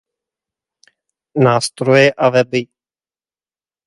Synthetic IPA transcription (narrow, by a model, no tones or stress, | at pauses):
naːst̪ɾojɛʔavɛbɪ